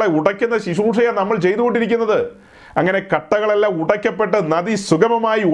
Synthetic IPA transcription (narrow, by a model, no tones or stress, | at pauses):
ɭeuɽɐkʲːunːɐɕiʂuːʂɐjanɐmːɐɭt͡ɕe̞jt̪ːuɣo̞ɳɖiɾik̬ʲːunːɐðɨ | ɐŋːɐne̞kɐʈːɐɣɐɭelːaːmuɽɐkʲːɐpːe̞ʈːɨnɐðisuɡɐmɐmaːji